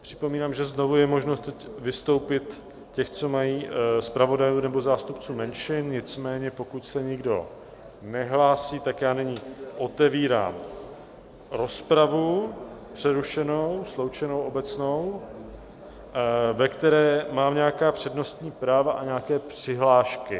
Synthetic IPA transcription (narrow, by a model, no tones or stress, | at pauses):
pr̝̥ɪ̥po̞miːnaːmʒɛzno̞vujɛmo̞ʒnost̪ɛcvɪst̪o̞wpɪt̪ | cɛxt͡so̞majiːspɾavo̞dajuːnɛbo̞zaːst̪upt͡suːmɛnʃɪnɲɪt͡smɛːɲɛpo̞kucsɛɲɪɡdo̞̰ | nɛɦlaːsiːt̪akjaːnɛɲɪʔo̞t̪ɛviːɾa̰ːm | ɾo̞spɾavupr̥ɛɾuʃɛno̞wslo̞wt͡ʃɛnowʔo̞bɛt͡sno̞w | vɛkt̪ɛɾɛːmaːmɲɛjakaːpr̥ɛdno̞st̪ɲiːpɾaːvaʔaɲaakɛːpr̥ɪɦlaːʃkɪ